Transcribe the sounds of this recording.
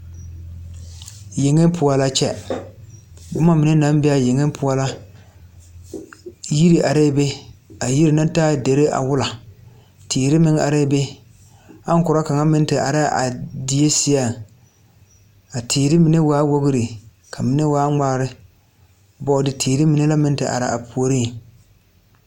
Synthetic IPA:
je˨ŋe˦npʰʊ˨a˨la˦t͡ʃɛ˦ | bʊ˦ma˦mɪ˨ne˦na˦m˦bɛ˦a˨je˨ŋe˦pʰʊ˨˦a˦la˦ | ji˦ɾi˨ʔa˨ɾe˦˨˦be˦a˨ji˦ɾi˨na˦ntaː˦˨de˨ɾe˦ʔa̰˨wʊ˦la˨ | tʰeː˨ɾɪ˦mɪ˦ŋa̰˨ɾe˦be˦ | a˦ŋ˦kʊ˨ɾa˦ka˨ŋa˦mɪ˦n˦tɪ˨ʔa̰˨ɾa˦ʔa̰˨di˨je˦sɪ˦a˦ | a˨tʰeː˨ɾɪ˦mi˨ne˦waː˦wo˦ɣɪ˦ɾi˨ | kʰa˨mi˨ne˦waː˦ŋ͡maː˦ɾɪ˦ | bɔ˦dɪ˨tʰeː˨ɾɪ˦mi˨ne˦la˦mɪ˦n˦tɪ˨ʔa̰˨ɾa˨a˨pʰu˨o˦ɾi˦˨

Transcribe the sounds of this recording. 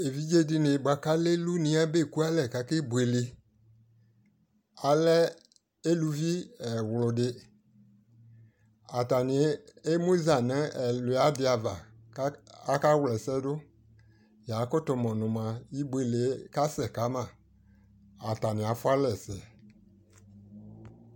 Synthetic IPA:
e˨vi˦d͡ʒe˦di˦nẽ˨ba˨ka˦le˦lu˦nĩ˨˦a˦be˦˨ku˦a˦lɛ˨ka˨ke˦bwe˨le˨ | a˨lɛ˦ | e˦lu˨vi˦ɛ˨wlʊ˨dɪ˦ | a˨ta˨nɪ˨e˦mũ˦za˨nɛ̃˦ɛ˨lʊ˨a˨˦dɪ˨a˨va˨˦ | a˦ka˦wlɛ˨sɛ˦dʊ˦ | ja˨˦kɔ˦t̪ɔ˨mɔ̃˨nʊ̃˨mã˨ji˦bwe˨le˨˦ka˦sɛ˨ka˨˦mã˨ | a˨t̪a˨nɪ̃˨a˨fʊ˦a˦lɛ˨sɛ˨

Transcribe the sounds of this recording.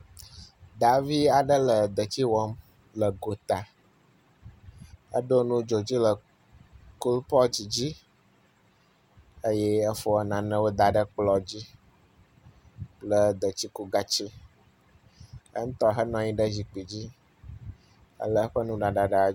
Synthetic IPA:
d̪a˨vi˦a˨ɖə˦lə˨d̪ə˨t͡ɕi˦wɔ˦m | lə˨ɡo˨t̪a˨ | ə̰˦ɖo˦nũ˦d͡ʒo˨d͡ʑi˦lə˨ | ku˦lpɔ˦d͡ʑi˨d͡ʑi˦ | ə˦jɛ˦ə˦fo˦ə˦nã˨nə̃˦wo˦d̪a˨ɖə˦k͡plɔ˨d͡ʑi˦ | lə˨d̪ə˨t͡ɕi˦ku˦ɡa˨t͡ɕi˦ | ə̰˦ŋ̩˦t̪ɔ˦ɦə˦nɔ̃˨ɲĩ˦ɖə˦zi˨k͡pi˨d͡ʑi˦ | ə̰˦lə˦ɸə˦nũ˦ɖa˨ɖa˨ɖə˨

